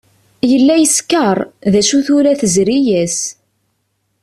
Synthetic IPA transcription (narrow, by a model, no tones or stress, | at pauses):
jəlːæjəskəɾˤðæʃuθʊɾæθəzɾijæs